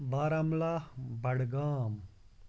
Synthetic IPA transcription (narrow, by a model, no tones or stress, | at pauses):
ʋaːɾamlaːhbʱɐɽɡaːm